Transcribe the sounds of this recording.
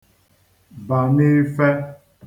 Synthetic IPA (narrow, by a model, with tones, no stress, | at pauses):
ba˨nie˦fɛ˦